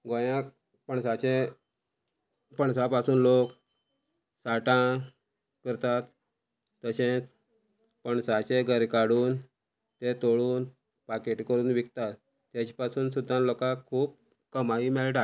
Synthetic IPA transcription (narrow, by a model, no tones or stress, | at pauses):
ɡojãk | pəɳsat͡ɕẽ | pəɳsãpasuːnlok | saʈã | kəɾt̪at̪ː | əɕẽt͡s | pəɳsat͡ɕẽɡʱəɾkaɽuːn | t̪et̪oɭuːn | pakeʈikəɾuːnʋikt̪at̪ː | jat͡ɕipasuːnsud̪ʱːãlokakʰːuːp̚ | kəmaiːmɛɭʈa